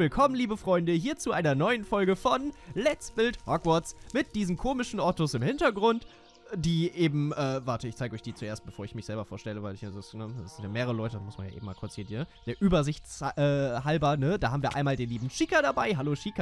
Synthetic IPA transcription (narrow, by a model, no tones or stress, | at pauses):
ɪlkʰɔmənliːbəfʁ̥ɔʏndəɦiːɐt͡suʔaɪnɐnɔʏənfɔlɡəfɔnlɛtt͡sb̥ɪlthɔkv̥ɔɐt͡smɪt̚d̥iːzn̩kʰoːmɪʃn̩ʔɔɐtʊsɪmhɪntɐɡʁʊnt | d̥iːʔeːbm̩ʔɛːvaɐtəɪçt͡saɪɡɔçd̥iːt͡suʔeːɐstb̥əfoːɐɪçmɪçz̥ɛlbɐfoːɐʃtɛləvaɪlɪçaːzsnəsz̥ɪntjaːmeːʁəʁəlɔʏtədasmʊsmanja̰ʔeːbm̩maːlkʰʊɐt͡siːnhiːd̥eːɐʔyːbɐzɪçt͡sʔɛːhalbɐnədaːhaːbm̩viːɐʔa̰ɪnmaːldeːnliːbm̩ʃiːkɐɾabaɪɦaloːʃiːkɐ